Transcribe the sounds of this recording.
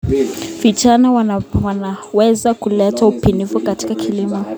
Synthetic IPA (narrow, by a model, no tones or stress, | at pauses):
vit͡ʃanawwanawɛzakulɛtaupinifukati̥kakʰilimɔ